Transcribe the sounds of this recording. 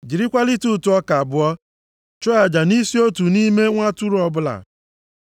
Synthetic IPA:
d͡ʒi˨ɾi˦kʷa˦li˦tu˦˨tu˨˦ɔ˦ka˨bʊ˨ɔ˦ | t͡ʃɔ˦a˨d͡ʒa˨ni˦si˦o˦tu˨ni˦me˦ŋʷa˦tu˦ɾʊ˨ɔ˦bʊ˦la̰˨

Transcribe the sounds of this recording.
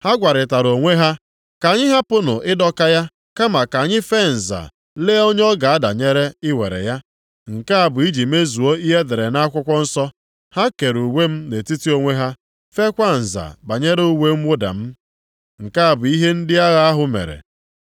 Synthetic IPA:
ha˦ɡʷa˨ɾɪ˨ta˨ɾo˨ŋʷe˦ɦa˦ | ka˨ɲɪ˦ɦa˦pʊ˦nʊ̰˨ʔɪ˦dɔ˦ka˦ja˦ | ka˦ma˨ka˨a˨ɲɪ˦fe˦˨n̩˨za̰˨ | leː˦o˦ɲ˦ɔ˦ɡa˨a˦da̰˨ɲe˦ɾe˦ɪ˦wḛ˨ɾḛ˨ja˦ | ŋ̩˨ka˦a˨bʊ˨i˦d͡ʒi˨me˦zu˨o˦i˦ɦe˦de˨ɾe˨na˦a˦kʷʊ˦kʷɔ˦n̩˦sɔ˦ | ha˦ke˨ɾu˨we˦m̩˦ne˨ti˦ti˦o˦ŋʷe˦ɦa˦ | fe˦kʷa˦n̩˨za̰˨ba˨ɲe˦ɾe˦u˦we˦m̩˦wʊ˦da̰˨m̩˦ | ŋ̩˨ka˦a˨bʊ˨i˦ɦe˦n̩˦dɪ˦a˦ɣa˦a˦ɦʊ˨mḛ˨ɾḛ˨

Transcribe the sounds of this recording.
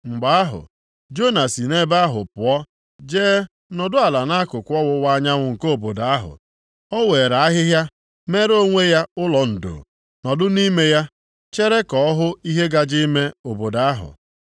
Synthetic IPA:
ŋ͡m̩˨ɡ͡ba˦a˦ɦʊ̰˨ | d͡ʒo˦na˨si˨ne˦ba˦a˦ɦʊ˨pʊ˨ɔ˦ | d͡ʒeː˦ | nɔ˨dʊ˦a˨la˨na˦kʊ˨kʷɔ˦wʊ˦wa˦ɲa˦ŋʷʊ˨ŋ̩˨ko˦˨bo˨da˨a˦ɦʊ̰˨ | ɔ˦we˨ɾa˨a˦ɦɪ˦ɦja˦ | me˦ɾo˦ŋʷe˦ja˦ʊ˦lɔ˨n̩˨do̰˨ | nɔ˨dʊ˦ni˦me˦ja˦ | t͡ʃe˦ɾe˦kɔ˨ɔ˦ɦʊ˦i˦ɦe˦ɡa˨d͡ʒi˦me˦o˨bo˨da˨a˦ɦʊ̰˨

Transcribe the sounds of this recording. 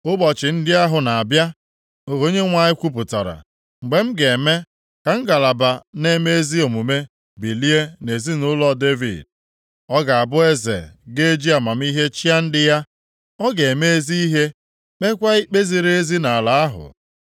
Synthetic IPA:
ʊ˦ɡ͡bɔ˨t͡ʃɪ˨n̩˦dɪ˦a˦ɦʊ˨na˨a˨bja˦ | o˨ɦo˨˦ɲe˦ŋʷa˨ɲɪ˦kʷu˦p̬ʊ˨ta̰˨ɾa̰˨ | ŋ͡m̩˨ɡ͡be˨m̩˦ɡe˨me˦ | ka˨ŋ̩˦ɡa˨la˨ba˨ne˦me˦e˦zi˦o˨mu˨me˦ | bi˨li˦e˦ne˨zi˦nʊ˦lɔ˦de˦vḭ˨d̚ | ɔ˦ɡa˨a˨bʊ˦e˦zḛ˨ɡe˦d͡ʒi˦a˨ma˨m̩˦i˦ɦe˦t͡ʃi˦a˦n̩˦dɪ˦ja˦ | ɔ˦ɡe˨me˦e˦zi˦i˦ɦe˦ | k͡pe˦kʷa˦i˦k͡pe˦zi˨ɾe˦e˦zi˦na˨la˨a˦ɦʊ̰˨

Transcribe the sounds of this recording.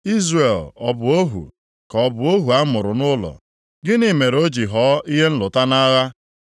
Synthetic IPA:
i˦zre˨lɔ˨bʊ˨o˦ɦṵ˨ | kɔ˨bʊ˨o˦ɦu˨a˦mʊ˨ɾʊ˨nʊ˦lɔ̰˨ | ɡɪ˦ni˦me˨ɾo˦d͡ʒi˨ɦɔː˨˦i˦ɦe˦n̩˦lʊ˨ta˦na˦ɣa˦

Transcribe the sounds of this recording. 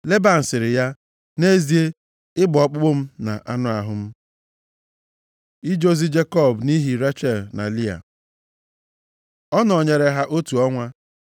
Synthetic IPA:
le˦ba˨n̩˨sɪ˨ɾɪ˨ja˦ | ne˦zi˦e˦ | ɪ˦ɡ͡bʊ˨ɔ˨k͡pʊ˦ɡ͡bʊ˦m̩˦na̰˨ʔa˦nʊ˦a˨ɦʊ˦m̩˦ | i˦d͡ʒo˦zi˦d͡ʒe˦kɔ˦˨bni˦ɦi˨ɾa˦t͡ʃe˦˨lna̰˨li˦a̰˨ | ɔ˦nɔ˨ɲe˨ɾe˨ɦa˦ʔo˦tu˨ɔ˦ŋʷa˦

